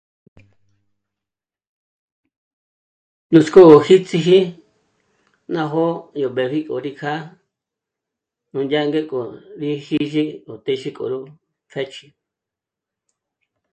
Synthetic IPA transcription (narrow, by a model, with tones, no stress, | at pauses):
nũ˧sko˦o˨hi˦t͡si˧ɦi˦ | nã˧ɦo˦jo˨βe˨βi˦kʼo̰˨ɾi˧kʰa˦ | nũ˧˨ndʲa˦˧ŋɡe˦kʼo˨ɾi˧hi˦ʒi˦o˨t̪e˧ʃi˦kʼo̰˨ɾu˦ | fʰe˦t͡ʃi˧